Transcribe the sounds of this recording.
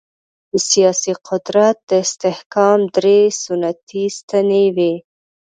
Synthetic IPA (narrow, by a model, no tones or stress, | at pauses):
d̪əsijɑsiqʊd̪ɾat̪̚d̪əɪst̪ɪhkɑmd̪ɾesʊnat̪ist̪anewe